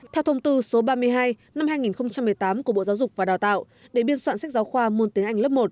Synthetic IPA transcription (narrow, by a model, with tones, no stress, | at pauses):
t̪ʰɛ˧wt̪ʰə˧wŋ͡mt̪ɨ˧so˨˦ɓaː˧mɨ˧əjɦaː˧j | na˧mhaː˧jŋi˨˩nxə˧wŋ͡mt͡ɕa˧mːɨ˨˩əjt̪aː˨˦mku˧˩əɓo̰˧˨zaː˨˦wzʊ˨˩k͡p̚vaː˨˩ɗaː˨˩wt̪a̰ː˧˨w | ɗe˧˩ɓi˧ənswa̰ː˧˨nsa˦˥k̚zaː˨˦wxwaː˧mu˧ənt̪i˨˦əŋʔjŋ̟lə˦˥p̚mo˨˩t̚